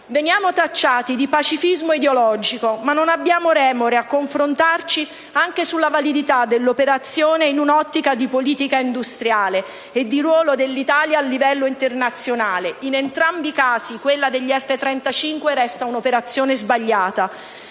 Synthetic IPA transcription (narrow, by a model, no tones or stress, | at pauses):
venjaːmot̪at͡ʃːaːt̪id̪ipat͡ʃifizmoid̪eolɔd͡ʒikomanːonabːjaːmoɾɛːmoɾeakːoɱfɾont̪art͡ʃi | aŋkesulːavalid̪it̪ad̪elːopeɾat̪sːjoːneinunɔt̪ːikad̪ipoliːt̪ikaind̪ust̪ɾjaːle | ed̪ːiɾwɔːlod̪elːit̪aːljaːlːivɛlːoint̪ernat̪sːjonaːleinent̪ɾambikaːzikwelːad̪eʎːiɛfːet̪ɾɛnt̪at͡ʃiŋkweɾɛst̪aunopeɾat̪sːjoːnezbaʎːaːt̪a